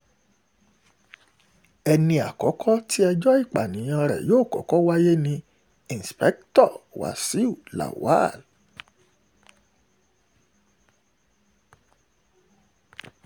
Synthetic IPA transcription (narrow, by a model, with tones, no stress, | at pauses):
ɛ˧nĩ˧a˨kɔ˨˦kʰɔ˦ti˦ɛ˧d͡ʒɔ˦i˦˨k͡pa̰˨nĩ˨˦j̃ã˧ɾɛ̰˨joː˦˨kɔ̰˨˦kɔ˦wa˦je˦nĩ˧ | ĩ˨n˨spɛ˦ktɔ˦˨wa̰˨si˨˦u˦˨la̰˨wa̰˦˨l